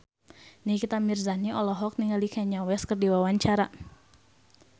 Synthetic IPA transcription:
nikit̪amirzaniɔlɔɦɔk̚niŋalikʰɛɲawɛskərdiwawaɲt͡ʃaɾa

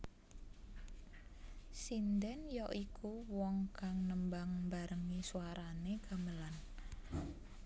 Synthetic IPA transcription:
sind̪ɛnjɔʔikuwɔŋkaŋnəmbaŋmbaɾəŋisuaɾanekaməlan

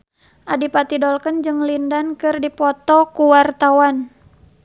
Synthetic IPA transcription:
ʔadipat̪idɔlkənd͡ʒɨŋlindankɨrdipɔt̪ɔkuwart̪awan

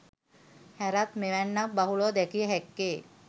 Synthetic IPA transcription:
hɛɾat̪meʋɛɳːak̚baɦuɭɔd̪ɛkʰijɦɛkːe

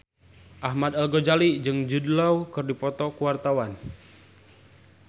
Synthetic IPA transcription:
ʔaɦmad̪alɡɔd͡ʒalid͡ʒɨŋd͡ʒudlawkɨrdipɔt̪ɔkuwart̪awan

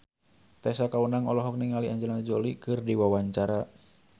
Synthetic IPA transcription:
t̪ɛsakaunaŋɔlɔɦɔfniŋaliʔaɲd͡ʒɛland͡ʒolikɨrdiwawaɲt͡ʃaɾa

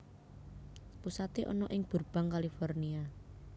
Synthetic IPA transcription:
pusat̪eʔɔ̰nɔʔɪŋb̥ṳrb̥a̤ŋkalifornia

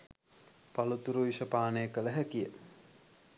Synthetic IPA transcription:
palut̪uɾuʋiʃɐpaːnəjəkələɦækijə

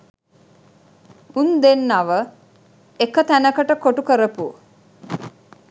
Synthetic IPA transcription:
und̪enːaʋə | ekət̪ænəkəʈəkoʈukəɾəpu

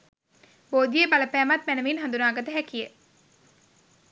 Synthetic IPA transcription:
boːd̪ijəbaləpæːmat̪mænəʋinɦand̪unaːɡət̪əɦɛkijə

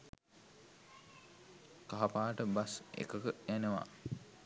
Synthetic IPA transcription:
kaɦapaːʈəbasḛkəkəjænəʋa̰

